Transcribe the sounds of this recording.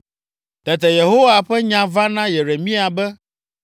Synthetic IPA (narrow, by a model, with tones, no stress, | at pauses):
t̪ɛ˨t̪ɛ˨je˨ɦo˦wa˨ɸɛ˦ɲã˨va˦nã˦je˨ɾe˨mĩ˦a˨bɛ˦